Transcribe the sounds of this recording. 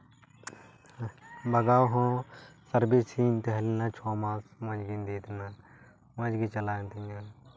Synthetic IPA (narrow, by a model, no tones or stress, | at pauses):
bəɡaːwɦõːsəɾbeːsiːnt̪əɦlinãːt͡ʃʰɔːmãːsmə̃d͡ʒɡiːnd̪eːt̪ʰnaː | mə̃d͡ʒɡiːt͡ʃəlaːjnt̪ɪjãː